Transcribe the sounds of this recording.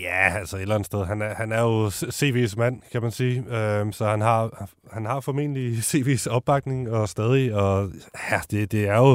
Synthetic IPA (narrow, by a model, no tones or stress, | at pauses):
jææl̰sɒe̝d̥læn̩sd̥eðˠɦænæhænæɐjo̝se̝̰ːʋe̝̰smæn̰kʰæmænsiːømsɒ̽hænɦɑ̈hænhɑ̈fɒ̽me̝̰ːnəlise̝̰ːʋḛːsɒ̽b̥ːɑ̈ɡ̥ne̝ŋɒ̽sd̥ɛːð̞ˠiɒ̽æd̥e̝d̥e̝æɐjo